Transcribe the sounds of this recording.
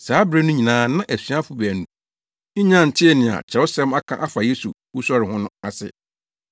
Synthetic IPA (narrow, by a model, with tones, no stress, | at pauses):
saː˨˦bɾe˦nʊ̃˦ɲĩ˨nãː˨˦nã˦ʔæ˨sɥa˦fʊ˨bæ˨nũ˨˦ | ɲã˦˨n̩˨tʰɪ˦ɛ˨nɪ̃˨a̰˨t͡ɕʰɛ˨o˦sɛ̃˦ma˦kʰã˦ʔa˦fa˨je˦su˨ | wu˦sɔ˦ɾɪ˨hʊ̃˦nʊ̃˦a˨sɪ̰˦